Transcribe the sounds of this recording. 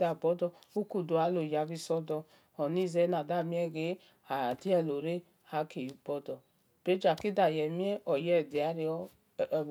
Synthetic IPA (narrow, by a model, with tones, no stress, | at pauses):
da˨bɔ˨˦dɔ˧u˦ku˧do˨a˨˧˦lo˨ja˨˧bi˧sɔ˧˦dɔ˧ | ɔ˨ni˦˨zɛ˧˦na˨da˦˨mi˦ɛ˦˨ɡe˨˦ | a˨di˦ɛ˧˨lo˨ɾe˦ | a˨˦ke˨bɔ˦dɔ˨ | b̥e˨˦d͡ʒa˨ki˦da˨jɛ˨mi˦ɛ˦ʔɔ˨jɛ˦˨di˨a˨˦ɾi˧ɔ˦˨˧